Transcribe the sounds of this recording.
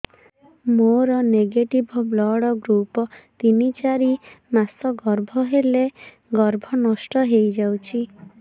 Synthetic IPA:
moɾɔneɡeʈibʱɔblɔɽɔɡɾupɔt̪init͡ʃaɾimasɔɡɔɾbʱɔɦele | ɡɔɾbʱɔnɔsʈɔɦejd͡ʒawt͡ʃʰi

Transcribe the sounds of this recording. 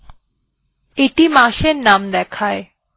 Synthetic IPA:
eʈimaʃeɾnamd̪ɛkʰae

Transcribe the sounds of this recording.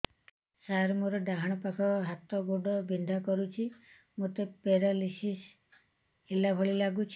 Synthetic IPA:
saɾmoɾɔɖaɦaɽ̃ɔpakʰɔɦat̪ɔɡoɖɔbʱind̪ʱakɔɾut͡ʃʰi | mut̪epeɾalisis | ilabʱɔɭilaɡut͡ʃʰ

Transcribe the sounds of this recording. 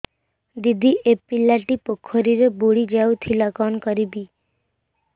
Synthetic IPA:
d̪id̪ʱiʔepilaʈipokʰːoɾiɾebuɽid͡ʒaut̪ʰilɔkɔnkɔɾibi

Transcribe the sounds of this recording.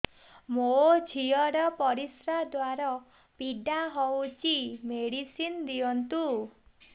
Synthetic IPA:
mod͡ʒʱiɔɾɔpɔɾisɾad̪waɾɔ | piɖaɦowt͡ʃimeɽisind̪iɔnt̪u

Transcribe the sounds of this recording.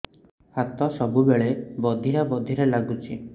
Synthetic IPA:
hat̪ɔsɔbubeɭebɔd̪ʱiɾabɔd̪ʱiɾelaɡut͡ʃʰi

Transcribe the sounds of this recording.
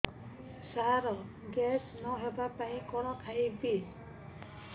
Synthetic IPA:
saɾɔ | ɡɛsnɔɦɛbapaĩkɔɾɔkʰaibi

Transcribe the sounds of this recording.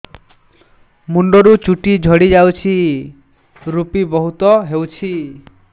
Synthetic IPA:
muɳɖɔɾut͡ʃuʈid͡ʒʱɔɽid͡ʒawt͡ʃʰi | ɾupibɔɦut̪ɔɦewt͡ʃʰi

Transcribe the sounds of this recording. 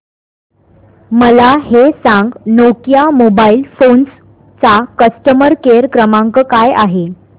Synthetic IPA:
məlahesãŋɡnokjamobailfons | t͡sakəsʈəməɾkeɾkɾəmaŋkəkajaɦe

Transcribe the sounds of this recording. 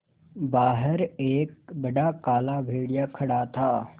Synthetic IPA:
baːɦəɾeːk̚bɐɖakaːlabʱeːɽijakʰɐɽat̪ʰaː

